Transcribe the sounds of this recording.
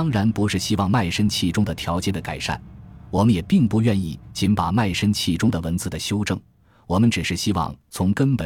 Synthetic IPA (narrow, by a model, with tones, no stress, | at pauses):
ɑ˥ŋɻa˧˥npu˧˥ʂɻ̩˥˩ɕi˥wɑ˥˧ŋma˥˩ɪʂə˥nt͡ɕʰi˥˩ʈ͡ʂʊ˥ŋd̪ə˨t̪ʰjɑ˧˥ʊt͡ɕjɛ˧˥d̪ə˨ka˨˩ɪʂa̰˥˩nwɔ˨˩mə˦njɛ˨˩pi˥˧ŋpu˥˧ɥɛ˥˧ni˥˩t͡ɕi˧˥npa˨˩ma˥˩ɪʂə˥nt͡ɕʰi˥˩ʈ͡ʂʊ˥ŋd̪ə˩wə˧˥nt͡sɹ̩˥˩d̪ə˩ɕjo˥ʊʈ͡ʂɤ˥˩ŋ | wɔ˨˩mə˦nʈ͡ʂɻ̩˨˩ʂɻ̩˥˩ɕi˥wɑ̰˥˧˩ŋt͡sʰʊ˧˥ŋkə˥npə˨˩